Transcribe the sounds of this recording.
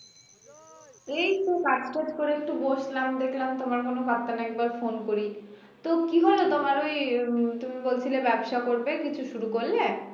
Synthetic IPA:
ejtokad͡ʑkeʈkoɾeek̚ʈuboʃlamd̪ekʰlamt̪omaɾkonobat̪ːanɛk̚baɾfonkoɾi | t̪okiɦolot̪omaɾojt̪umibolt͡ɕʰilebɛbʃakoɾbekit͡ɕʰuʃuɾukolːe

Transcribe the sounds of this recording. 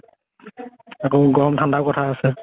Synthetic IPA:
akoɡɔmtʰandakɔtʰaːsɛ

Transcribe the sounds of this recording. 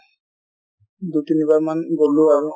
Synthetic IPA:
d̪utinibaɹmanɡolːuaɹu

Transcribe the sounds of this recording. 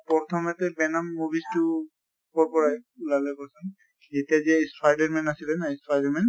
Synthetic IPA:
pɔt̪ʰɔmɛtɛbɛnamːubistʊ | kɔɹpɔɹajulalɛkɔsɛn | zetiaziaispʰajdɛɹmɛnasilɛnaispʰajdɛɹmɛn

